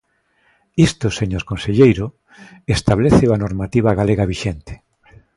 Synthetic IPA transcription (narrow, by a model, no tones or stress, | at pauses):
ist̪oseɲoɾkõnseʎejɾʊ | est̪aβleθewanoɾmat̪iβaɣaleɣaβiʃent̪e̥